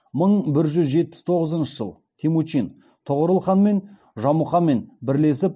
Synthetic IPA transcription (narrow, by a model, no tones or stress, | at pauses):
məɴbɪɾʒʏzʒe̞t̪̚pɪ̥st̪ʰo̞ʁəzənʃəʒə̰lˠ | t̪ʲʰemut͡ʃin | t̪ʰəʁəɾəlˠχɑnme̞n | ʒɑmuχɑme̞nbɪɾle̞sɪp̚